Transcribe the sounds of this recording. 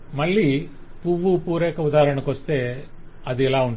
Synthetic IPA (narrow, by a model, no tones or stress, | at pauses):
mɐɭːiː | puʋupuːɾɛːkɐud̪aːɐɾɐɳɐkʋɐst̪e̞ː | ɐd̪iɛlaːuɳʈ